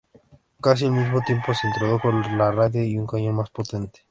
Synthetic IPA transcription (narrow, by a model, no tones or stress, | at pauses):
kas̬ie̞lmizmo̞t̪je̞mpo̞sent̪ɾoðokonlaraðeiuŋkaɲõnmaspo̞t̪ent̪e̥